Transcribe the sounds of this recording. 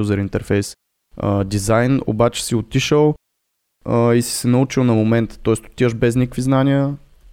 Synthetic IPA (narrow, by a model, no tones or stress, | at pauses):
uzəɾint̪ɛɾfɛjs | əd̪izajno̰bat͡ʃɛ̥siot̪iʃəlˠ | isi̥sɛnɐut͡ʃilˠnɐmomɛnt̪ə̥t̪ɔɛst̪o̥t̪ːiəʒbɛznʲikəkviznanʲiə